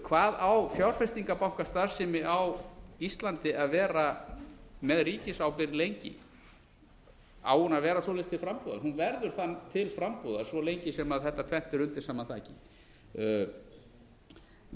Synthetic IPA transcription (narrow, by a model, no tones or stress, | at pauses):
kʰvaːðawfjawɾ̥fɛst̪iŋkapawhkast̪aɾ̥sɛmɪawist̪lant̪ɪaðvɛːɾa | mɛðriːcɪsawpɪɾɪlejɲcɪ̰ | a̰ːwʏnavɛːɾasɔlɛst̪ʰɪlfɾampuða̰nhunvɛɾðʏɾ̥θant̪ʰɪlfɾampuðasvɔlejɲcɪsɛmaðθɛht̪ːat̪ʰvɛn̥t̪ɪɾʏnt̪ɪ̥saːmat̪ʰaːcɪ